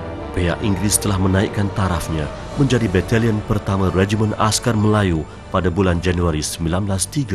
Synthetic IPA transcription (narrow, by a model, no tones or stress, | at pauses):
pea̰ʔiŋɡɾist̪əlahmə̃nãiʔkant̪aɾafɲã | mə̃ɲd͡ʒadibɛt̪aliənpərt̪amãrɛd͡ʒimə̃na̰skarməlaju | padabuland͡ʒanuaɾisəmbilanblast̪iɡa